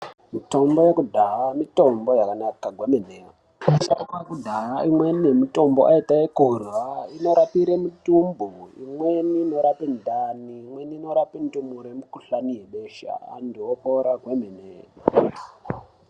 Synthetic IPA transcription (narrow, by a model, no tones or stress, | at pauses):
mito̞mbojekudʱaɦamito̞mbo̞jakanakaɡʱwemeneo | aʃakekudʱaɦaimwenijemito̞mbo̰ʔaitaekurwaino̞ɾapiɾemutumbuimweniːno̞ɾapindʱaniːmweniːno̞ɾapintumuɾemikuɬanijeɓeʃa̰a̰ndiopoɾaɡʱwemenḛ